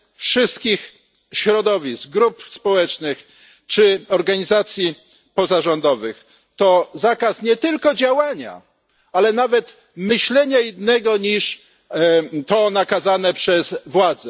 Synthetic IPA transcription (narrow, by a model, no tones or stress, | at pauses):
fʂɘst̪kʲix | ɕɾɔd̪ɔvʲisɡɾupspɔwɛt͡ʂnɘx | t͡ʂɘɔɾɡaɲizat̪sʲji | pɔzaʐɔnd̪ɔvɘx | t̪ɔzakasɲɛt̪ɘlkɔd͡ʑawaɲa̰ | alɛnavɛt̪ | mɘɕlɛɲajinːɛɡɔɲiʂ | t̪ɔnakazanɛpʂɛzvwad̪zɛ